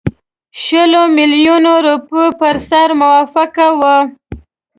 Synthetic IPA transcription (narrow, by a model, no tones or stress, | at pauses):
ʃəlomiljunoɾupəpəɾsaɾmʊwɑfɪkawə